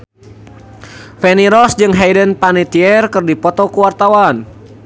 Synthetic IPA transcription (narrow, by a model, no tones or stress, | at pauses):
fɛniɾɔsd͡ʒɨŋɦajdənpanit̪iɛrkɨrdipɔt̪ɔkuwart̪awan